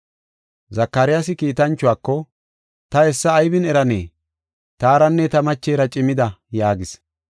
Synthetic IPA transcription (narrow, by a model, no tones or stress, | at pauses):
zɐkːɐɾɪjasɪkiːt̪ɐnt͡ʃːʊwaːkːɔ | t̪ɐɛsːɐːjbɪnɛɾɐnḛː | t̪aːɾɐnːɛt̪ɐmɐt͡ʃːeːɾɐt͡ʃʼɪmɪd̪ɐjaːɡɪs